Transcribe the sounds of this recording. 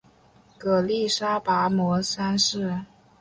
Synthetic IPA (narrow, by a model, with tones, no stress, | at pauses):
kɤ˨˩li˥˩ʂa˥pa˧˥mwɔ˧˥sa˥nʂɻ̩˥˩